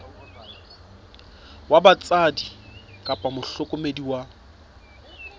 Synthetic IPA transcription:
wabat͡sʼadikʼapʼamʊɬʊkʼʊmediwa

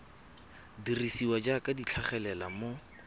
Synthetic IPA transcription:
dirisiwad͡ʒakʼadit͡ɬʰaχɛlɛlamo

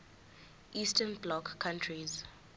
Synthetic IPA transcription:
ʔistʰɛnblɔkʰːãntʰɹiz

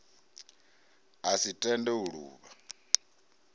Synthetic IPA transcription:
asitʼɛndɛuɺṵːβa

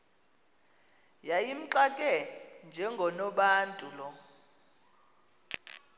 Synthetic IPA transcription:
jajim̩ǀakʼɛnd͡ʒʱɛŋɡʱɔnɔɓaːntʼulɔ

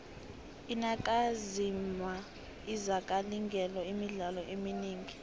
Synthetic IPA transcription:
inakʼazimwa | izakʼaliŋɡʱɛlɔimiɮalɔʔeminiːŋɡʱi

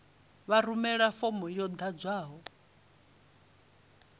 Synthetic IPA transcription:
βaɾumɛɺafɔmɔjɔd̪ad͡zwaːɦɔ

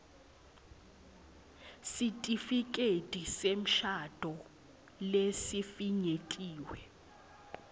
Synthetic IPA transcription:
sitʼifikʼed̥ʱʼisem̩ʃad̥ʱɔ | lesifiɲetʼiːwɛ

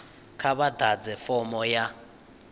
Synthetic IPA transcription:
kʰaβad̪ʱad͡zɛfɔmɔja

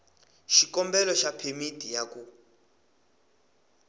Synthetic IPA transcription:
ʃikɔmbɛlɔʃapʰemitʼijaku

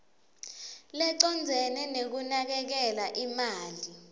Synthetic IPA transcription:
lɛǀɔnd͡zʱɛnɛnek̬unak̬ɛk̬ɛlaʔimaːli

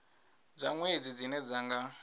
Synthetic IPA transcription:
d͡zaŋwed͡zid͡zinɛd͡zaŋɡa

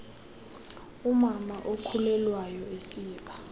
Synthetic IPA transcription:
umamaʔokʰulɛlwajɔesiːɓḁ

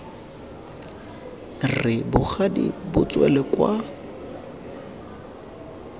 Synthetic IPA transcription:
rɪbʊχʰadḭbʊt͡sʼwɛ̰lɛkwa

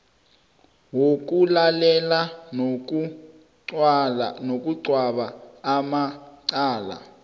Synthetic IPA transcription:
wok̬ulalɛlanku | lnok̬ʼuǀwaɓaːmaǀaːla̰

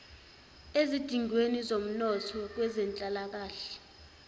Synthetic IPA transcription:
ezid̥ʱiŋwenizom̩nɔtʰɔk̬wɛzɛnt͡ɬʼalak̬aːɬɛ̥

